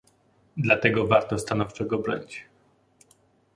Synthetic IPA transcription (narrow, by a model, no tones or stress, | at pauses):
d̪lat̪ɛɡɔvaɾt̪ɔst̪anɔft͡ʂɛɡɔbɾɔ̰ɲit͡ɕ